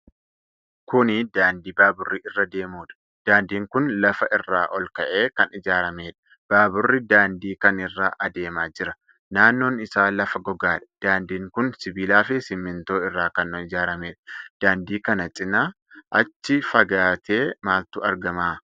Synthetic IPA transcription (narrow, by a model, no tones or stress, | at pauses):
kʊnɪd̪aːnd̪iːbaːbʊrːiːʔɪrːɐd̪e̞ːmuːᶑɐ̥ | d̪̥aːnd̪iːŋkʊnlɐfɐʔɪrːaːʔɔlkɐʔe̞ːkɐnɪd͡ʒaːɾɐme̞ːᶑɐ̥ | b̥aːbʊrːɪd̪aːnd̪iːkɐnɪrːaːʔɐd̪e̞ːmaːd͡ʒɪɾɐ | naːnːo̞ːnɪsaːlɐfɐɡɔɡaːᶑɐ̥d̪̥aːnd̪iːŋkʊnsɪbiːlaːfɪsɪmːɪnt̪o̞ːɪrːaːkɐnːɔnɪd͡ʒaːɾɐmeːᶑɐ̥d̪̥aːnd̪iːkɐnɐt͡ʃʼɪna | ʔɐt͡ʃːɪfɐɡaːt̪ʰe̞ːmaːlt̪ʊɐɾɡɐmaː